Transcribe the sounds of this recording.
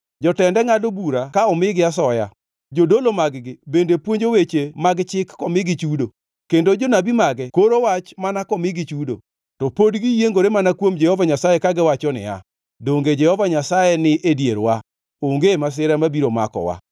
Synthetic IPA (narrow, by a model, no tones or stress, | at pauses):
d͡ʒɔtɛndɛŋadobuɾakaɔmɪɡɪasɔja̰ | d͡ʒodolomaɡɡɪbendepwoɲd͡ʒowet͡ʃemaɡt͡ʃɪkːɔmɪɡɪt͡ʃudo | kendod͡ʒonabimaɡɛkoɾowat͡ʃmanakɔmɪɡɪt͡ʃudo̰ | tɔpodɡijeŋɡoɾemanakwomd͡ʒɛhɔvaɲasajekaɡɪwat͡ʃɔnɪ̰a̰ | doŋɡed͡ʒɛhɔvaɲasajenɪʔedjeɾwa | oŋɡemas̬ɪɾamabiɾoma̰kɔ̰wa̰